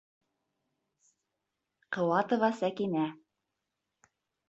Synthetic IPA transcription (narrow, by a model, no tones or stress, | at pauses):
qɤ̆wɑt̪ŏvɑsækinæ